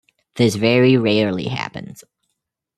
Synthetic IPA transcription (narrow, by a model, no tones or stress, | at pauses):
ðɪsvɛɹiɹɛɹlˠḭhæ̰pɨ̰̃nz̥